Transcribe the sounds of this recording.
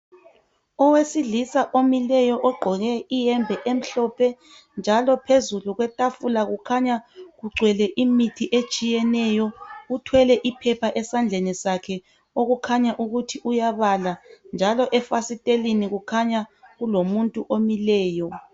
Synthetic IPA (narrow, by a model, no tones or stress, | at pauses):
ɔwesiɮisaʔomilɛjɔʔɔɡ͡ǃʱɔɣɛijɛmbʱɛʔem̩ɬɔpʰɛ | nd͡ʒʱalɔpʰezuluɣwɛtʼafulaɣukʰaɲaɣuɡ͡ǀʱwɛlɛʔimitʰiʔet͡ʃʼijɛnɛjɔutʰwɛlɛʔipʰɛpʰaʔɛsand͡ɮʱenisakʰɛ | oɣukʰaɲaʔuɣutʰiʔujaβaland͡ʒʱalɔʔɛfasitʼeliniɣukʰaɲaɣulomuntʼuʔomilɛːjɔ